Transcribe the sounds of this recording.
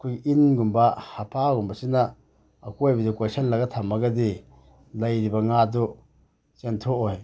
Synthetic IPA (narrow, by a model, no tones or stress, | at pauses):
kʰujʔinɡumbahapʰaɡumbasinaː | kojbizikasanlaɡatʰamaɡadi | lajɾibaŋadɔ | t͡ʃentʰoʔoj